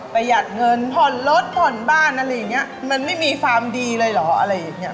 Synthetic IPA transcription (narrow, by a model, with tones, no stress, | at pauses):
pa˧jːaː˨˩k̚ŋɤ˧np̪ʰɔ˨˩nlo˦˥t̪̚pʰɔ˨˩nbaː˥˩nʔa˧ɾa˧˥jːa˨˩ŋːi˦˥ɐma˧nma˥˩jmiː˧kʰwaː˧mdiː˧lɤː˧jlɔ˩˦ʔa˧ɾa˧jːaː˨˩ŋːi˦˥ɐ